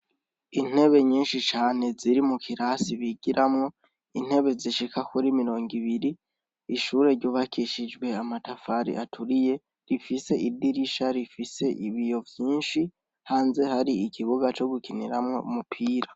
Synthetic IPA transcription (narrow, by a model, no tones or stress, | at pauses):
in̥he̞βe̞ɲiːnʃit͡ʃaːne̞ziɾimukʰiɾasiβiɡiɾʔamŋo̞ | in̥he̞βe̞ziʃikakuɾimiɾo̞ːŋɡiβiɾiː | ʃuːɾe̞ɾɟoːβakʰiʃid͡ʒɡwe̞amatafaɾḭʔatʰuɾije̞ | ɾifise̞ʔidiɾiʃaɾifise̞ʔiβijo̞vjiːnʃi | haːnze̞haɾiikʰiβuɡat͡ʃo̞ɡukiniɾamŋo̞̰umupʰiːɾa